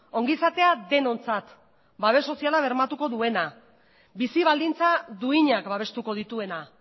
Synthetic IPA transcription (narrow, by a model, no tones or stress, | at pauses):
o̞ŋɡisat̪e̞ad̪e̞no̞nt͡sat̪ | baβe̞so̞sialaβ̞e̞ɾmat̪uko̞ðue̞na | bisiβ̞ald̪int͡saðuiɲakbaβ̞e̞st̪uko̞ð̞it̪ue̞na